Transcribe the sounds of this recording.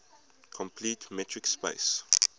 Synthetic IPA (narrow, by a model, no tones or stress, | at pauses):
kʰɔ̃mpʰliːtmɛtʰɹɪkspḛɪs